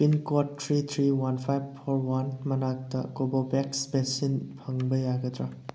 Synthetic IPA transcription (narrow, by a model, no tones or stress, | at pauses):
pinkɔtʰːɾit̪ʰɾiwanpʰajbpʰoɾwanmɐnak̚tɐ̰kobobeksbesinpʰɐŋbɐjaɡɐd̪ɾa